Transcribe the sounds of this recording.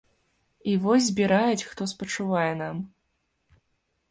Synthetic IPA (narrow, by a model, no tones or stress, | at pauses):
ivɔzʲzʲbʲiɾajɛt͡sʲxt̪ɔspɐt͡ʂuvajɛnam